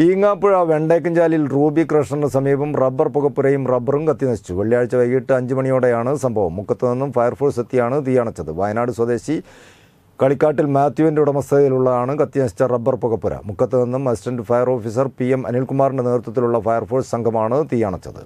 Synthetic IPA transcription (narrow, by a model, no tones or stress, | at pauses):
iːŋːaːpːuɻɐʋeɳɖeːkːɐɲd͡ʑaːlilruːbikrɐʂɳɐnɨsɐmiːbɐmrɐbːɐrpuɣɐpːuɾɐjumrɐbːɐrumkɐt̪ːjɐnɐɕi̥t͡ɕːuʋɐɭijaːɻit͡ɕːɐʋɐjijiʈːɨɐɲd͡ʑɨmɐɳijoːɽejaːɳɨsɐmbʱɐʋɐmːukːɐt̪ːɨninːumfɐjɐrfoːrsit̪ːijaːɳɨt̪ijaːɳɐt͡ɕːɐðɨʋɐjɐnaːɽɨswɐd̪e̞ːɕi | kɐɭikʲːaːʈːilmaːt̪juʋindeuɽɐmɐst̪ʰɐiluɭːɐaːɳɨkɐt̪ːjɐnɐɕi̥t͡ɕːɐrɐbːɐrpuɣɐpːuɾɐ̰mukːɐt̪ːeninːumɐsi̥ʈɐndɨfɐjɐro̞ːfis̬ɐrpiemɐ̰nilkumaːrindene̞ːɾut̪ːɐt̪ːiluɭːɐfɐjɐrfoːrsɐŋɡʱɐmaːɳɨt̪ijaːɳɐt͡ɕːɐ̰ðɨ̰